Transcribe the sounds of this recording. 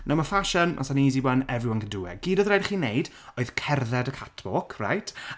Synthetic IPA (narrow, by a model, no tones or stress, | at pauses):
noməfaʃənmʔa̰saniːziwanɛvjʊənɡəduwɛ̰ɡ̥iːdɔðrajdχiːnejd | oɨð̥kʰɛrðɛdəkʰatʰbɔkʰra̰jtʰ